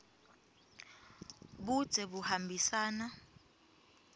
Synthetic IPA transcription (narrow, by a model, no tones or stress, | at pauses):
ɓud̥z̥ʱɛɓuhambʱisaːna